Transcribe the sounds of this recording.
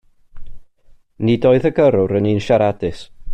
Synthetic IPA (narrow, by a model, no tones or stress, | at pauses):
nidoːɨðəɡəɾʊɾəniːnʃaɾadɪs